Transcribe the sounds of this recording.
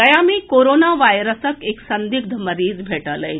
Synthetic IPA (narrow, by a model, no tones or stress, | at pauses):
əjamikoɾonaʋajɾəsəkeksənd̪iɡ̚d̪ʱəməɾiːd͡zbʱeʈələj